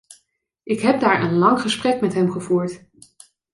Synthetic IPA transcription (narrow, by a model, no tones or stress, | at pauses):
ʔɪkɦɛb̚daːɹʔənlɑŋχəsprɛkmɛtɦɛmχəvuːɹt